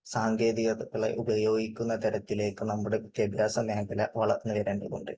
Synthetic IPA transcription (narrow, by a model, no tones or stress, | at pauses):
saːŋɡe̞ːdðiɣɐðɐɣːɐɭḛʔubɐjo̞ːɡikʲːunːɐt̪ɐɾɐt̪ːile̞ːkːɨnɐmːuɽepit̪ːjɐbʱjaːsɐmeːkɐlɐ̰ʋɐɭɐ̰rnːɨʋɐɾɐnɖeko̰ɳɖɨ̰